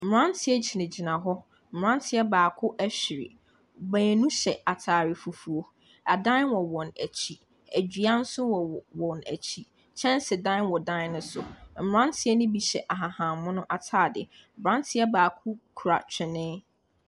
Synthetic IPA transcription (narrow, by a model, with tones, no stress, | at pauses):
m̩˨ɾã˦ntʰɪ˦ɛ˦d͡ʑʰi˨nɪ̃˨d͡ʑi˨nã˨ɦɔ˦ | m̩˨ɾã˦ntʰɪ˦ɛ˦baː˨kʰʊ˦ʔæ˦ɕᶣi˨ɾɪ̰˨ | bæ̃˨nũ˦ɕɛ˨a˨tʰaː˨ɾɪ˨fu˨fu˨o˦ | a˨dã˦wɔ˨wɔ̃˨næ˨t͡ɕʰi˦ | æ˨d͡ʑᶣi˨˦a˦n̩˦sʊ˦wɔ˨wɔ̃˨næ̰˨t͡ɕʰi˦ | t͡ɕʰɛ̃˦n˦sɪ˨dã˦n˦wɔ˨dãː˦ʊ̃˦sʊ˨m̩˨ɾã˦ntʰɪ˦ɛ˦nʊ̃˦bi˨ɕɛ˨ʔa˨ɦa˨hã˨mʊ̃˦nʊ̃˦ʔa˨tʰaː˨dɪ˨bɾã˦n˦tʰɪ˦ɛ˦baː˨kʰʊ˦kʰu˨ɾa̰˨t͡ɕʰᶣɪ˨nɪ̃˦